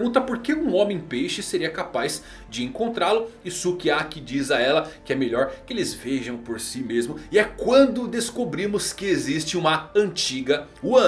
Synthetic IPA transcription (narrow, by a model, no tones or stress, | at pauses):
ũnt̪ɐpoɾkeũõmẽj̃pejʃɪseɾiɐkapajz̥ | d͡ʒɪẽŋkõnt̪ɾalʊɪsukiakɪd͡ʒizɐɛlɐkɪɛmeʎɔɾkɪelɪzveʒɐ̃w̃poɾsimezmʊɪɛkwɐ̃nd̪ʊd̪eskobɾĩmʊskɪezist͡ʃɪũmɐɐ̃nt͡ʃiɡɐuɐ̃